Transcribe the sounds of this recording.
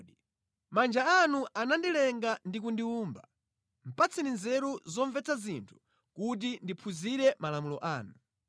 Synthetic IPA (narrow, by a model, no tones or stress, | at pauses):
i | mand͡ʒaanuʔanandilɛŋɡandikundiuːmba | m̩pat͡sʰininzɛɾuzɔɱvɛt͡sʰazintʰu̥ | kut̬indipʰuziɾɛmalamulɔʔaːnu